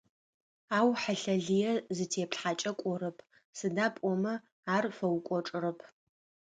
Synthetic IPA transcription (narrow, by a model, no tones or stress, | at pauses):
aːwħaɬɐɮijɛzɨtʰeːpɬħat͡ʃʼɐkʷʼɔɾɐpʰ | sɨdaːpʼɔmɐ | aːrfɐwkʷʼɔʈ͡ʂʼɨrɐpʰ